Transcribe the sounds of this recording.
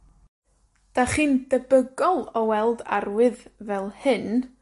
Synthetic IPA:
d̥aχiːndəbəɡɔlˠɔwɛlˠda̰rwɨðvɛlˠhɨn

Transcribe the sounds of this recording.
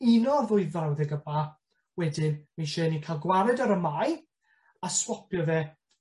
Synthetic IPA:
inɔrðʊɨvawðɛɡəba | wɛdɪnmiʃɛːnikʰalˠɡwaɾɛdɔɾəmaj | aswɔpʰjɔvɛː

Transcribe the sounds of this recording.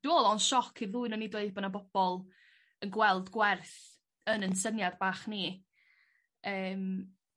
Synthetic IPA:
d̥uɔlˠɔnʃɔkʰiruɨnənidweɨdbɔnabɔb̥ɔlˠ | ənɡwɛlˠdɡwɛrθ | ənənsənjadbaːχni | əːm

